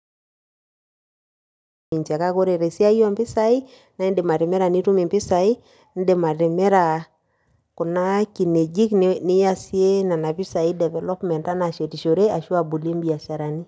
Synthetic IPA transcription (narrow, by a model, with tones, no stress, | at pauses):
i˨ɲt͡ʃa˨ka˦ko˦ɾe˨ɾe˨si˦a˦jɔ˦mpɪ˦sa˨i˦ | na˦i˦nde˨ma˨ɾɪ˨mɛ˦ɾa˨ni˦ɾu˦mi˨mpɪ˦sa˨i˦ | n˦de˨ma˨ɾɪ˨mɛ˦ɾa˨ | kʊ˨na˦ki˨ne˨d͡ʒi˦knnɪ˦ja˦si˦e˦na˨na˨pɪ˦sa˨i˦dɛ˨vɛ˨lɔ˦pmɛ˨nta˦na˨ʃe˨ti˨ʃo˨ɾe˦a˨ʃu˦a˨bu˨le˦mbi˨a˨ʃa˨ɾa˨ni˦